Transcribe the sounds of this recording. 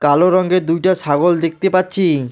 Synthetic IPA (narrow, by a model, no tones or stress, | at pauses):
kaloɾɔŋɡed̪ujʈaʃaɡold̪ek̚t̪epatːɕʰi